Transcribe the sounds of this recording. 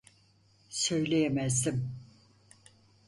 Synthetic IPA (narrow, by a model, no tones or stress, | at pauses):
sø̞jlʲejemæzd̪im